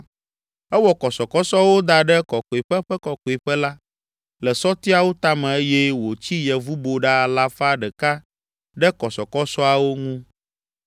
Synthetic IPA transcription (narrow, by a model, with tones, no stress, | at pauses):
ɛ˦wɔ˨kɔ˨sɔ˨kɔ˦sɔ˦wo˦d̪a˨ɖɛ˦kɔ˨kɔ˨i˨ɸɛ˦ɸɛ˦kɔ˨kɔ˨i˨ɸɛ˦la˦ | lɛ˨sɔ˦t̪i˦a˨wo˦t̪a˦mɛ̃˨e˦jɛ˦wo˨t͡ɕi˦jɛ˨vu˦bo˨ɖa˦˨la˦fa˦ɖɛ˨ka˦ | ɖɛ˦kɔ˨sɔ˨kɔ˦sɔ˦a˨wo˦ŋũ˦